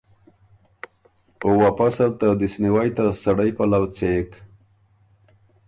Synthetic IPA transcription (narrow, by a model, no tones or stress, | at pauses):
owapasalt̪ad̪isniwajt̪asaɽajpalawt͡sek